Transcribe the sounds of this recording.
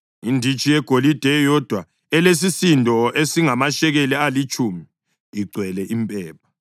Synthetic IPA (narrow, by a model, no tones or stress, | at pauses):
indʱit͡ʃʼijɛɡ̥ʱolid̥ʱɛjɔd̥ʱwa | ɛles̬isindʱɔesiŋamaʃɛɣɛlɛalit͡ʃʼuːmiː | ɡ͡ǀʱwɛlɛʔimpʼɛːp̚ʰḁ